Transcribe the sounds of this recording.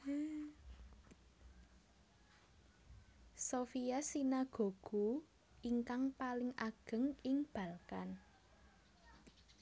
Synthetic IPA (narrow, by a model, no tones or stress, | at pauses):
sofijasinaɡ̥o̤ɡ̥ṳ | ʔiŋkaŋpalɪŋʔaɡ̥ə̤ŋɪŋb̥a̤lkan